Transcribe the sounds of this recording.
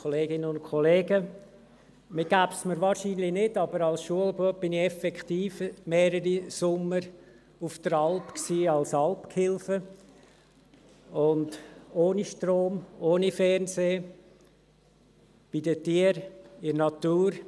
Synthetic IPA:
kʰoleːɡɪnəʊnkʰχɔleːɡə | mɪɡ̥æːbsməɾʋɑːɾʃiːnlɪnɪdɑbəɾɑlsʃuəlbuəb̥ɪnɪɛfɛktiːfmeːɾəɾisʊmːəɾ | ʊfd̥əɾɑlpksiːɑlsɑlpkʰhɪlfə | ʊndoːniʃtroːmoːnifɛrnseː | b̥idətiːəɾɪnɑtuːɾ

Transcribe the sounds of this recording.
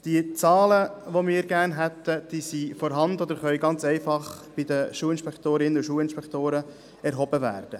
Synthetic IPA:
d̥iət͡sɑːləʋomɪːɾɡæːɾnɦɛt̪ːəd̥iːsifɔɾɦɑnd̪əɔd̪əɾχœʏɡɑnt͡sɛɪfɑχb̥id̪əʃuːɪnʃpɛkt̪oːɾɪnːəuʃuːəlɪnʃpɛkt̪oːɾə | ɛɾɦɔbəvæ̰ːrd̥ə

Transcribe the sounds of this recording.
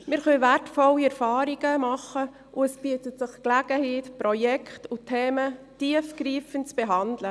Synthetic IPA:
mɪɾχœvætfɔliɛɾfɑːɾiɡəmɑχə | ʔʊɛsb̥iətətsɪχklæɡ̥əhiːtpɾɔjɛkʰχtʊtʰɛːmətiəfɡɾiːfəntt͡sb̥ɛɦɑndlə

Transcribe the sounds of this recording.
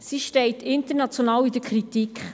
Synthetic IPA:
siʃtɛɪt̪ɪntəɾnɑt͡sjonɑːwid̥əɾkʰɾitikχ

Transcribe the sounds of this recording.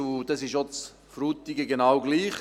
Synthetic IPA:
ud̥̪ɑsɪʃot͡s | fɾut̪ːiɡəɡenawɡliːχ

